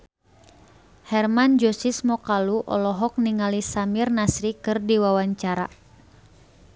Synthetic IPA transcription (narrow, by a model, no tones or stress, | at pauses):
hɛrmand͡ʒɔsismɔkaluʔɔ̰lɔɦɔk̚niŋalisamirnasɾikɨrdiwawaɲt͡ʃaɾa̰